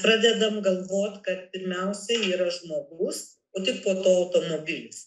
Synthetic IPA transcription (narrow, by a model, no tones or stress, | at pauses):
pɾɑːd̪ʲɛd̪ɐmɡɐlˠʋoːt̪ʲkɐt̪̚pʲɪɾʲmʲɛʊsʲɛiːɾɐʒmoːɡus | oːt̪ʲɪɪpoːt̪oːɐʊt̪oːmoːbʲɪlʲʊs